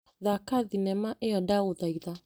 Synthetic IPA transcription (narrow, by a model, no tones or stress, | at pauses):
ðakaðinɛmaʔɛɔdauðaiða